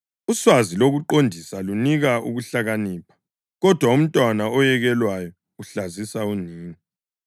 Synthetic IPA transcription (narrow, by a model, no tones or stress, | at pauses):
uswaziloɣuǃondʱisaluniɣaṵɣuɬaɣaniːpʰḁ | ɣɔd̥ʱwaum̩tʼwanaɔjɛɣɛlwajɔ | uɬazisauniːŋi